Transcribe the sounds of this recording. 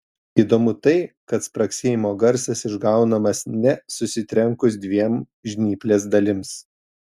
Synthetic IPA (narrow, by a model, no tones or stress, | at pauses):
iːd̪oːmʊt̪ɐɪkɐt̪spɾɐksʲeːjɪmoːɡɐɾʲsʲɛsɪʒɡɐˑʊnɐmɐsnʲɛsʊsʲɪt̪ʲɾʲɛŋkʊs̬d̪ʲʋʲiɛm | ʒʲnʲiːpʲlʲeːs̬d̪ɐlʲɪms